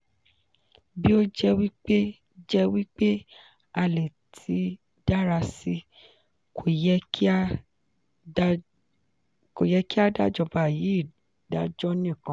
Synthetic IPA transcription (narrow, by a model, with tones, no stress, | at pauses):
bi˦o˦d͡ʒɛ˦wi˦k͡pe˦ | d͡ʒɛ˦wi˦k͡pe˦ | a˧le˨ | tʰi˨˦ | d̥a˦ɾa˧si˧ | ko˨ɛ˧˦ | ko˨jɛ˧ki˦a˦da˦˨d͡ʒɔ˧ba˨ji˨˦i˦˨ | da˦d͡ʒɔ˦nĩ˦˨kã˨˦